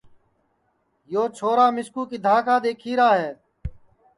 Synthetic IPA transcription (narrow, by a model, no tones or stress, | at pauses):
joːt͡ʃʰoːɾaːmɪskuːkid̪ʱaːkʰaːd̪eːkʰiːɾaːɦeː